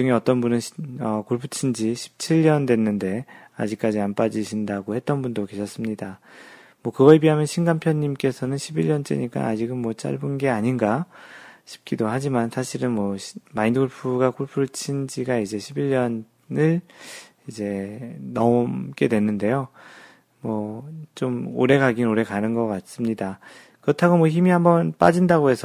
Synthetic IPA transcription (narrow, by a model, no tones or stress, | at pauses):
uŋeʌt͈ʌnbunɯnʌkoɭpʰut͡ɕʰind͡ʑiɕʰi̥p̚t͡ɕʰiʎːʌndwe̞nːɯnde̞a̰d͡ʑik͈̚ad͡ʑianp͈ad͡ʑiɕʰindaɡohe̞t̚t͈ʌnbundoke̞ɕʰʌs͈ɯmɲida | mwʌkɯɡʌɭpiɦamjʌnɕʰinɡampʰjʌɲːimk͈e̞sʰʌnɯnɕʰibiʎːʌnt͡ɕ͈ḛɲik͈a̰nad͡ʑiɡɯnmwʌt͡ɕ͈a̰ɭbunɡe̞aɲinɡa | ɕʰi̥p̚k͈idoɦad͡ʑimansʰaɕʰiɾɯnmwʌmaindɡʰuɭpʰuɡakʰuɭpʰuɭt͡ɕʰind͡ʑiɡaid͡ʑe̞ɕʰibiʎːʌn | nɯɭ | id͡ʑe̞nʌmk͈edwe̞nɯnde̞jo | mwʌt͡ɕomo̰ɾe̞kaɡinoɾe̞kanɯnɡʌk͈at̚s͈ɯmɲida | kɯɾʌtʰaɡomwʌçimihambʌnp͈a̰d͡ʑindaɡoɦe̞sʰʌ